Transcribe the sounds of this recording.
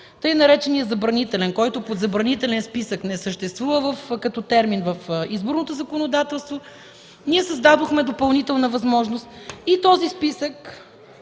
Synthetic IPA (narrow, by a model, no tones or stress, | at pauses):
t̪ɤjnɐɾɛt͡ʃɛnijəzɐbɾɐnit̪ɛlɛnkɔjt̪ʊpod̪zɐbɾɐnit̪ɛlɛnspisəknɛsəʃt̪ɛst̪vuvəvəfkɐt̪ɔt̪ɛɾminvəfizbʊɾnot̪ozɐkonod̪at̪ɛlˠst̪vo | niɛsɐzd̪ad̪oxmɛd̪opɐlˠnit̪ɛlˠnəvɐzmɔʒnost̪it̪ɔzispisək